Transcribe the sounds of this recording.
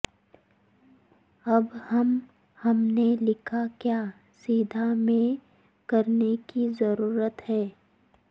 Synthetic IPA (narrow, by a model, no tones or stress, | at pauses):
ɐbhɐm | hɐmnelɪkʰakjaː | siːd̪ʱamẽ | kɐɾnekizɐɾuːɾət̪hɛː